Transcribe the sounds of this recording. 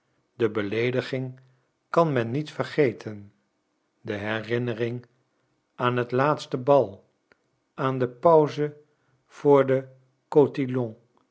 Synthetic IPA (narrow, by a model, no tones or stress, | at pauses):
dəbəlejdəχɪŋ | kɑnmɛnːitfərχejtʰən | dəɦɛrɪnərɪŋ | aːnɦətlaːtstəbɑlˠ | aːndəpœwzə | v̥ʊːɹdə | kotilɔ̃ŋ